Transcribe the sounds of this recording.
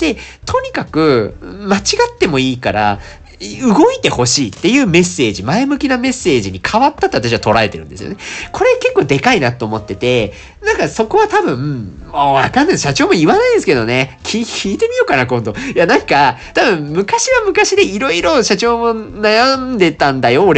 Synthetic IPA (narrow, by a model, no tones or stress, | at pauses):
d̪̥e̞ | t̪ʰo̞ɲ̟ikakɯ̟mat͡ɕiɡat̪ːe̞mo̞iːkaɾa̰ | ɯ̟ɡo̞it̪e̞ho̞ɕiːt̪ːe̞jɯ̟ːme̞sːe̞ːʑimae̞mɯ̟kʲiname̞sːe̞ːʑiɲ̟ikʰaβat̪ːat̪oat̪aɕiβat̪o̞ɾaɾe̞t̪e̞ɾɯ̟nd̪e̞sɨjo̰nekʰo̞ɾe̞ke̞kːo̞ːd̪e̞kainat̪ːoːmo̞t̪ːe̞t̪e̞ | nãŋkaso̞ko̞βat̪abɯ̟̃ | moβa̰kãnːaɕat͡ɕo̞ːmo̞iβanaĩd̪esɨ̥ke̞d̪o̞ne̞kʲʰikʲiːt̪e̞mʲijo̞kanakõ̞nd̪o̞janãŋka | t̪abɯ̟̃mmɯ̟kaɕiβamɯ̟kaɕid̪e̞iɾo̞iɾo̞ɕat͡ɕo̞ːmo̞najand̪e̞t̪ãnd̪ajo̞ːɾ